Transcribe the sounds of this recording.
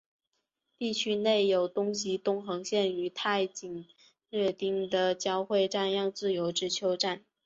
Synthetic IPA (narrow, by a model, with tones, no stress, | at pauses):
t̪i˥˩t͡ɕʰy˥ne˥˩ɪjo˨˩ʊt̪ʊ˥ŋɕ̬i˧˨t̪ʊ˥ŋxɤ˧˥ŋɕjɛ˥˩ny˧˥t̪ʰa˥˩ɪt͡ɕi˨˩ŋ | ɻə˥˧t̪i˥˩ŋd̪ə˨t͡ɕjɑ˥ʊxwe˥˧ɪʈ͡ʂa˥˧njɑ˥˧ŋt͡sɹ̩˥˩jo˧˥ʊʈ͡ʂɻ̩˧˥t͡ɕʰjo˧˥ʊʈ͡ʂa˥˩n